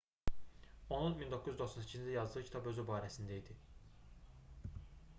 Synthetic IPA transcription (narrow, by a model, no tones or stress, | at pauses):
o̞nunmind̪okʰːuzyd̪o̞χsɑnicʰiznd̪æjɑzd̪ɯʁɯkcʰit̪ʰɑbø̞zybɑːɾæsind̪æid̪i